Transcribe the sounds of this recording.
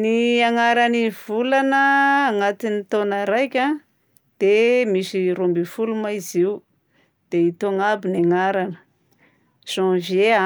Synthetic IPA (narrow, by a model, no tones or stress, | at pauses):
niaŋaɾanivulanəːŋat̪init̪onəɾajkʲa | d̪̥emisiɾombifulumaiziw | d̪̥eit̪oŋabinaŋaɾanə̥ | z̥ɔ̃vea